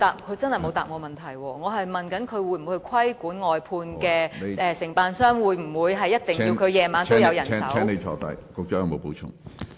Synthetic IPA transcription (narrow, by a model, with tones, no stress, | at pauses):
t̪aː˨˩p̚kʰɵ˨˧t͡sɐ˥nhɐ˨jmo˨˧wt̪aː˨p̚ŋɔː˨˧mɐ˨˩nt̪ʰɐ˨˩jwɔː˧ŋɔː˨˧ɦɐ˨jmɐ˨nkɐ˨˥nkʰɵ˨˧ɥwuː˨˧˥jm̩˨˥hɵ˧kʰɐ˥jkuː˨˥nŋɔː˨jpʰuː˧nkɛː˧ɛː˨˧sɪ˨˩ŋpaː˨nsœː˥ŋwuː˨˧jm̩˨˩wuː˨˧jɦɐ˨jːɐ˥t̚t̪ɪ˨ŋkːi˧wkʰɵ˨˧jɛː˧maː˨˧no˥jɐ˨˧wjɐ˨˩nʰː˧˥sɐ˨˥ɛː˥ŋne˨˧˩t͡ʃʰɔ̰ː˨˧t̪ɐ̰˨˩jkʊ˨k̚t͡ʃɔː˥jɐ˨ŋmo˨˧wpo˨˥wt͡ʃʰʊ̰˥ŋ